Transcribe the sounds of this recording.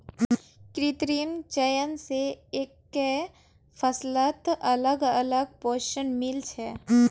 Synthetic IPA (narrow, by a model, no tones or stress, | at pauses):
kɾit̪ɾiənt͡ʃəjənseekː | e | fʰəslət̪ɐləɡələɡ̚poːɾʃənmɪlt͡ʃʰɛː